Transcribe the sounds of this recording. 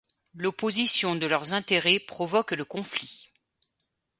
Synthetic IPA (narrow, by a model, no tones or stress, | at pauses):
lopozisjɔ̃d̪əlœʁzɛ̃t̪eʁɛpχɔvɔkləkɔ̃fli